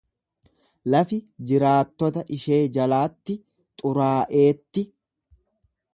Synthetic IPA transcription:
lɐfɪd͡ʒɪɾaːt̪ːɔt̪ɐʔɪʃe̞ːd͡ʒɐlaːt̪ːɪ | t̪ʼʊɾaːʔe̞ːt̪ːɪ

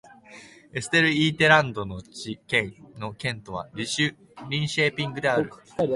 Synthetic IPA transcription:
e̞sɨ̥t̪e̞ɾɯ̟iːt̪e̞ɾãnd̪o̞no̞t͡ɕikẽno̞kẽ̞nt̪o̞β̞a̰ɾʲiɕɨ | ɾʲĩɰ̃ɕe̞ːpʲĩŋɡɯ̟d̪e̞aɾɯ̟

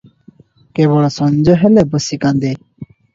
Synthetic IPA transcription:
kɛβɔɽɔsɔnd͡ʒɔɦɛlɛbəsikand̪e

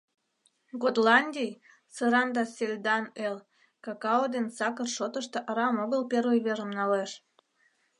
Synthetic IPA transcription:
ɡod̪lɑnʲdʲij | səɾɑnd̪ɑsʲelʲd̪ɑnel | kɑkɑod̪ensɑkərʃot̪əʃt̪eʔɑɾɑmoɣəlpervəjβeɾəmnɑleʃ

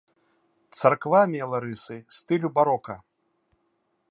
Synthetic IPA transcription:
t̪sarkvamʲɛlˠaɾɨsɨst̪ɨlʲubaɾɔkɐ

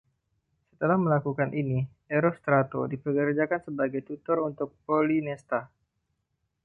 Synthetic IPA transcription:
sə̥t̪əlahməlakukanʔini | eɾɔst̪ɾat̪o̰dipəkərd͡ʒakansəbaɡajt̪ut̪ɔrunt̪ʊk̚polinɛst̪a

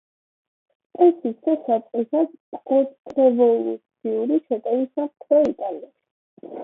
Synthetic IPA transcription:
ɛsisɛsasʼqʼisaspɡɔt̪ʼɾɛvɔlut̪sʰiuɾiʃʰɛt̪ʼɛvisaχt̪ʰɾɔit̪ʼalɛ̥

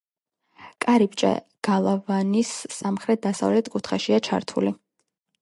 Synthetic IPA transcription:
kʼaɾipt͡ʃʼɛ̰ | ɡ̥alˠavanisːamχɾɛt̪̚d̪asa̰vlɛt̪ʰkʼut̪ʰχaʃiat͡ʃʰa̰ɾt̪ʰṵli

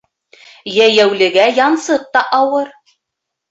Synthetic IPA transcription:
jæjæwlɘ̆ɡæjɑnsɤq̚t̪ɑʔɑwɤɾ

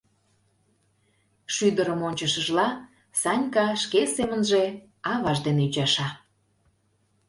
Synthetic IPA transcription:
ʃyd̪əɾəmonʲt͡ɕəʃəʒlɑ | sɑnʲkɑʃkesemənʒe | ɑβɑʒd̪eneyt͡ɕɑʃɑ

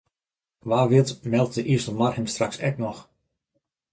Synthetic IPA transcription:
ʋaːʋɪtmɛlˠt̚dəʔiəsəmarhɪmstraksɛ̰knɔx

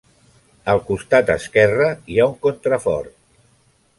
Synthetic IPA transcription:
əlˠkust̪at̪ə̰skɛrəiauŋkont̪ɾəfɔrt̪̚

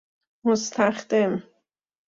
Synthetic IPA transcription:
most̪ʰæχd̪em

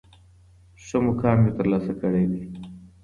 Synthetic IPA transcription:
ʂomokɑːmjot̪əɾlɑːsakəɽed̪i

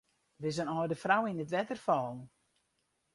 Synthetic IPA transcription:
ʋɪzənɔːjdəfrawinətʋɛtərfɔːlˠ

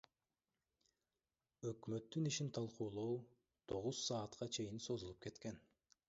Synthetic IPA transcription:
ø̞kmø̞t̪ːyniʃint̪ʰɑlˠquːlˠow | t̪ʰo̞ʁuz̥sɑːt̪qʰɑt͡ʃʰe̞jinso̞zulˠup̚ke̞t̪ken

